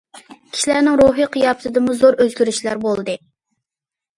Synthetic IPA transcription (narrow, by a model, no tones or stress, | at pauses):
kʲʰi̥ʃilæɾnɪŋɾuɦɨqʰijɑpʰɨt̪ʰɨd̪ɨmuzoɾʔøzɡʲyɾyʃlæɾbolˠd̪ɨ